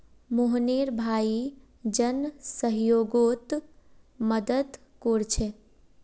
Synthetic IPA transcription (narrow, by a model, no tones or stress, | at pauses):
moɦneɾbʱaːi | d͡ʒənsəɦjoːɡot̪ | məd̪əd̪ | koɾt͡ʃʰe